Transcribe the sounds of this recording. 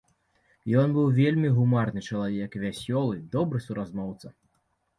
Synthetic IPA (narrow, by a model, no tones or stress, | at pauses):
jɔnbɨwvʲelʲmʲiɣumarnɨt͡ʂɐlˠavʲɛkvʲasʲɔlˠɨd̪ɔbɾɨsuɾazmɔwt̪sɐ